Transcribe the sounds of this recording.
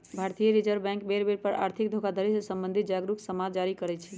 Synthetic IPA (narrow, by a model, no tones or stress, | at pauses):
bʱaɾt̪ijəɾid͡ʒəɾbɛ̃ŋkbeɾbeɾpəɾa̰ɾt̪ʰik̚d̪ʱokad̪ʱəɾisəsəmbənd̪ʱit̪̚d͡ʒaɡɾuksəmad͡ʒaɾikəɾɛt͡ʃʰɛ